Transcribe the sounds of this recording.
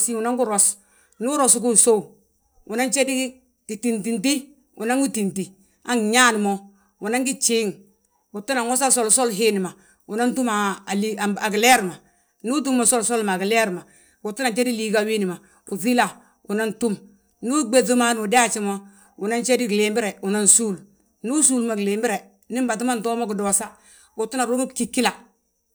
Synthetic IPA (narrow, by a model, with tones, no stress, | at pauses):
si˦u˨na˦ŋku˦ɾo˨s | nu˦ɾo˨sk̬u˦˨so˦u˨ | u˨na˦nt͡ʃe˦di˦ | ki˨ti˨nti˨nti˦ | ṵ˨na˦ŋɡi˦ti˨nti˨ | a˦ŋ˨ɲa˦n˨mo˦ | u˨na˦ŋɡi˦t͡ʃiː˦ŋ | u˨tu˦na˨ŋwo˦sa˦so˦lso˦lɦe˦ni˨ma˨ | u˨na˦n˦tu˦ma˨li˦˨a˨ɡi˨le˦ɾma˨ | nu˦t̬u˦mːa˨so˦lso˦lma˨ɡi˨le˦ɾma˨ | wu˨tu˦na˨t͡ʃe˦di˦liː˦ɡa˦wi˦ni˨ma˨ | u˨zi˦la˨ | u˨na˦ntu˦m | nu˦ɡ͡be˦zu˦ma˦n˨u˨de˦a˦t͡ʃi˦mo˦ | u˨na˦nt͡ʃe˦di˦ɡle˨mbi˦ɾɛ˨u˨na˦nsuː˦l | nu˦su˦lma˨ɡleː˨mbi˦ɾe˨ | ni˦m˦ba˨t̬i˦ma˦n˨tɔ˦mo˦ki˨dɔ˨sa˦ | wu˨tu˦na˨ɾu˦mi˦ki˦kːi˦la˨